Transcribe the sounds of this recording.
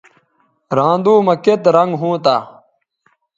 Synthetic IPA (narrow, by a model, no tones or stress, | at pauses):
ɾãːnd̪uːmɐket̪ɾɐŋɡɦũːt̪aː